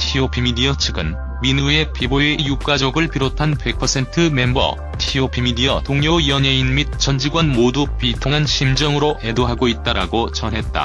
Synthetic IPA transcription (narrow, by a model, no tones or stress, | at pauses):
tʰiopʰimidiʌt͡ɕʰɯɡɯ̰n | minue̞piboejuk͈ad͡ʑʌɡɯɭpiɾotʰanpe̞k̚pʰʌsʰe̞ntʰɯme̞mbʌ̰ | tʰiopʰimidiʌtoŋɲoiʌɲeinmit̚t͡ɕ͈ʌnd͡ʑiɡwanmodupitʰoŋɦanɕʰimd͡ʑʌŋɯɾoʔe̞doɦaɡoit̚t͈aɾa̰ɡot͡ɕʌnɦe̞t̚t͈a̰